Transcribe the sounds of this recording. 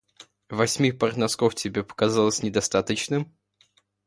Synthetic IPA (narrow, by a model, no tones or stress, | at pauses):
vɐsʲmʲipərt̪nɐskoftʲɪbʲe̞pə̥kazalˠəsʲnʲɪd̪ɐst̪at̪ət͡ɕnɨm